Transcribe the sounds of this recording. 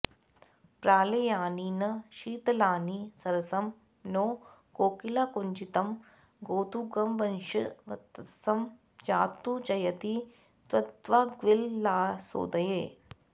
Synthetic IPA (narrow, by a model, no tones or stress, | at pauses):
pɾaːlejaːninɐʃiːt̪ɐlaːnisɐɾɐsɐm | noː | ɡoːkilakʊnd͡ʒit̪ɐm | ɡoːt̪uɡɐmʋɐnʃɐʋɐt̪sɐm | d͡ʒaːt̪ːut͡ʃɐjɐt̪i | t̪ʋɐt̪ʋaːɡʋɪlːaːso̰ːd̪ɐjeː